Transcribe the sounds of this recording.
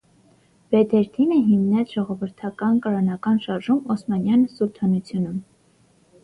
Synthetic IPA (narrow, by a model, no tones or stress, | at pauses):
vɛd̪ʰɛɾt̪ʰinəɦimnɛt͡sʰʒ̥ɔʁɔvəɾt̪ʰɑkɑnkɑɾɑnɑkɑnʃɑɾʒumɔsmɑnjɑnsuɾt̪ʰɑnut͡sʰjunum